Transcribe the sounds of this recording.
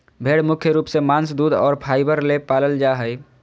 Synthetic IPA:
bʱeːɽmʊkʰjəɾuːpsemãːnsd̪uːd̪ɔ̰ːɾpʰaːɪbəɾlepaːləld͡ʒaːɦəj

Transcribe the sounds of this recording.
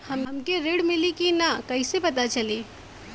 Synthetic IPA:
həmmkeɾeːɽmɪlikinakɐisepɐt̪at͡ʃɐli

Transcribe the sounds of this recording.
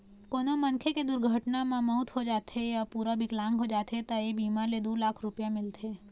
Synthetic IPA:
koːnomɐ̃ŋkʰeked̪ʊɾɡʱəʈnamãmɔʊt̪ɦod͡ʒaːt̪ejapuːɾabʱiklãːŋɡɦod͡ʒaːt̪et̪aebiːmaled̪uːlaːkʰɾʊpjamɪlt̪ʰeː

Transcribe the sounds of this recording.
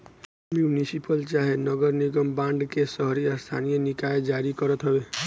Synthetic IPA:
mjunisipəlt͡ʃaɦenəɡəɾniɡəmbãɳɖkesəɦɾiəst̪ʰa̰nijənɪkaed͡ʒaɾikəɾət̪ɦəbe

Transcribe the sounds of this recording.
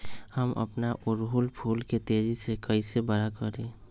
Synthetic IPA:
həmʔə̰pnaʔʊɾɦulpʰuːlket̪eːd͡ʒisekəisebəɾakəɾẽː

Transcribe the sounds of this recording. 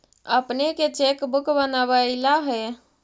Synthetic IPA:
əpneket͡ʃekbukbənabəɪlaɦɛ

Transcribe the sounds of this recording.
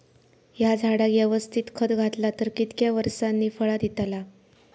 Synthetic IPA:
jad͡zʱaɽaɡjəʋəst̪ʰiːt̪kʰəd̪ɡʱat̪lat̪əɾkit̪kjaʋəɾsanːiːfəɭad̪it̪ala

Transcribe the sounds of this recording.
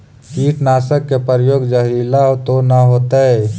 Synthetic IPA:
kiːʈnaːsəkːepəɾjoːɡd͡ʒəɦɾilaːt̪onaɦoːt̪aɦɛː

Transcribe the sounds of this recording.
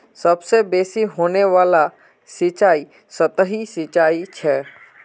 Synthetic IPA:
sɐbsebeːsiɦoːneʋaːla | sɪt͡ʃaːi | sɐt̪əɦisɪt͡ʃaːit͡ʃʰɛː

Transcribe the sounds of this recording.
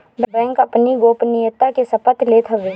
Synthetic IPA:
bbɛ̃ːŋkɐpniɡoːpnɪjət̪ːakesɐpət̪ʰlet̪ʰəɡeː

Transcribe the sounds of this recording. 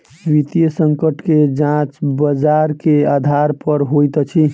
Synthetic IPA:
ʋit̪ijəsəŋkəʈʰked͡ʒãt͡ʃbəd͡ʒaɾkead̪ʱaɾpəɾɦojt̪t͡ʃʰi

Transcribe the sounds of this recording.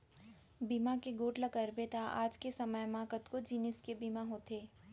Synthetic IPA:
biːmakeɡoːʈlɐkəɾbet̪aʔa̰ːd͡ʒkesɐməjmaːkət̪kod͡ʒiːnɪskebiːmaɦoːt̪eː

